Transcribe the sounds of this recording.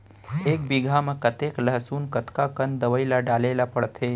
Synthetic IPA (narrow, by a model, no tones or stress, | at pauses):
eːk̚biɡʱamekət̪eːkləɦsuːnkət̪kakənd̪əʋəɪlaɖaːlelapəɽt̪ʰe